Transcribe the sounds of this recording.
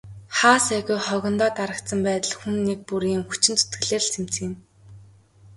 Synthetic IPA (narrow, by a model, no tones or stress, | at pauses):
χaːsæɣʊjχɔɣʲɞ̆nt̪ɔːt̪aɾə̆k̚t̪sə̆mpæːt̪ə̆ɮxunːek̚puɾiːŋxu̥t͡ɕɪ̆nt͡su̥t̪ɡɘ̆ɮĕːɮsem̥t͡sɘ̆ŋɪ̆m